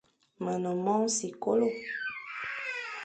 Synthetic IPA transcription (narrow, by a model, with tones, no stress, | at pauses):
mə˨nɔ̃˨mɔ̃˦si˨ko˦lo˦˨